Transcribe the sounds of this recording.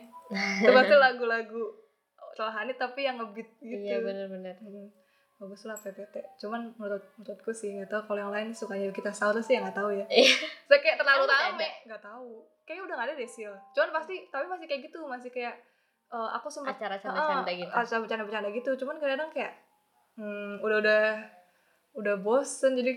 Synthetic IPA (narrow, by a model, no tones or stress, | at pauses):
t̪upast̪ilaɡulaɡu | t̪əlaɦanit̪apijaŋəbɪt̪̚ɡit̪bənrbənr | abuslahp̪et̪et̪ɛʔt͡ʃumannut̪ʊt̪̚mut̪ut̪̚kusɪhŋɡat̪aukalojaŋlaɪnsukaɲakit̪asaut̪asɪhjaŋɡaʔt̪aujaasakajaʔt̪ərlalut̪amɛŋɡaʔt̪au | kajaʔudahŋadadɛsit͡ʃumanpast̪it̪apimasɪhkajaʔɡit̪umas̬ɪhkajaʔ | ʔəːa̰kusəmpatt͡ʃaɾat͡ʃaəaəaaɡiat͡ʃaabət͡ʃanabət͡ʃadaɡit̪ut͡ʃumankəɾadaŋkajaʔ | udaɦudah | udahbosənd͡ʒadi